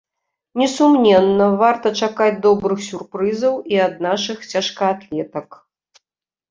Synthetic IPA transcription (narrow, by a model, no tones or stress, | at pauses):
nʲɛsumnʲɛnːɐvart̪ɐt͡ʂakad͡zʲd̪ɔbɾɨxsʲurpɾɨzɐwiɐd̪̚naʂɨxt͡sʲaʂkɐat̪lʲɛt̪ɐk